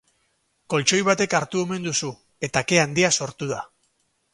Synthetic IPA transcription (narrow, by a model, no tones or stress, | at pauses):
ko̞lt͡ʃo̞jβat̪e̞kaɾt̪ue̞me̞nd̪usu | e̞t̪ake̞and̪iaso̞ɾt̪uð̞a